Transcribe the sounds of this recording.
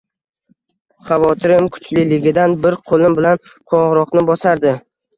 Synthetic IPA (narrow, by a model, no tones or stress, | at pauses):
χavɒt̪ʰɪɾɪmkʰʊ̥t͡ʃlɪlɪɡʲɪd̪anbɪɾqʰolˠɪmbɪlanqʰɒʁɾɒqnɪbɒsaɾd̪ɪ